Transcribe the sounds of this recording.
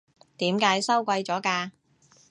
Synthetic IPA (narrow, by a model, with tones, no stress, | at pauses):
t̪iː˨˥mkaː˨˥jsɐ˥wkʷɐ˧jt͡sɔː˨˥kaː˧